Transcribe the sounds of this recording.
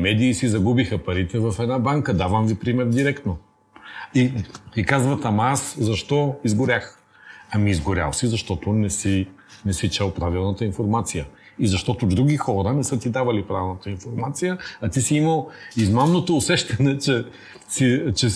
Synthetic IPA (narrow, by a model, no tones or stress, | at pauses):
mɛd̪iːsizɐɡubixɐpɐɾit̪ɛvɐfɛd̪nabaŋkəd̪avɐmvipɾimɛɾd̪iɾɛkt̪no | it̪ikazvɐt̪ɐmaszɐʃt̪ɔizɡʊɾʲax | ɐmiːzɡʊɾʲa̰lˠsizɐʃt̪ɔt̪ʊnɛsi | nɛsit͡ʃɛlˠpɾavilˠnət̪əinfoɾmat̪sijə | izɐʃt̪ɔt̪ʊd̪ɾuɡʲixɔɾənɛsɤt̪id̪avɐlipɾavilˠnət̪əinfoɾmat̪sijəɐt̪isiiməlˠizmamnot̪oːsɛʃt̪ɐnɛt͡ʃɛ | sit͡ʃɛ